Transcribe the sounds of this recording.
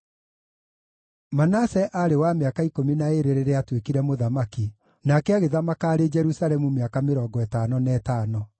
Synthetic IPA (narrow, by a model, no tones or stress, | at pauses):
manasɛʔaɾewameakaikominaeɾeɾeɾeatwekiɾɛmoðamaki | nakɛaɣeðamakaːɾed͡ʒɛɾusalɛmumeakameɾɔɡɔɛtanɔnɛːtaːnɔ